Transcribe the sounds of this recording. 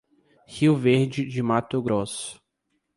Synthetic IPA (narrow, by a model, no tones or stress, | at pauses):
hiwveɾd͡ʒɪd͡ʒɪmat̪ʊɡɾosʊ̥